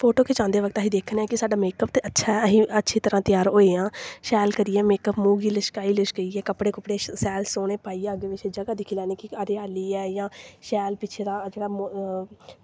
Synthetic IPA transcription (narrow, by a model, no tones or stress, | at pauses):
pʰoːʈoːkʰet͡ʃãːnd̪eːʋəɡ̚t̪aːɦiːd̪eːkʰnɛːkɪsaːɖaːmeːkəpt̪eːʔətːʃʰaːɦiːətːʃʰiːt̪əɾãːt̪ɪjaːɾoːeːãːʃɛːlkəɾijɛːmeːkəpmuːɡiːləʃkaːiːləʃkəiːɛːkəpɽeːkəpɽeːsɛːlsoːɽeːpaːiːɛəɡʋɪt͡ʃʰeːd͡ʒəɡaːd̪ɪkʰilɛːneːkɪəɾeːaːliːɛːjãːʃɛːlpɪt͡ʃʰeːd̪aːd͡ʒeːɽaːm